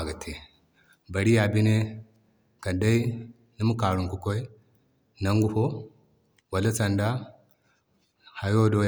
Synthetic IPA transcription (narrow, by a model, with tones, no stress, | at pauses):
ɡa˨tʰe˨ | ba˨ɾi˦ja˨bi˦ne˦ | ka˨da˦i˦ | ni˦mu˦ka˨ɾu˨ŋku˨ko˦i˦ | na˦ŋɡu˦ho˦ | wa˨lo˦t͡sa˨nda˦ | ha˨jo˦do˦